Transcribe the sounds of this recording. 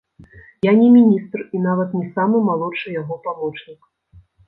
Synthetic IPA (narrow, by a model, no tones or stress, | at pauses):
janʲɛmʲinʲist̪rinavɐt̪nʲɛsamɨmalˠɔt͡ʂɨjaɣɔpamɔt͡ʂnʲik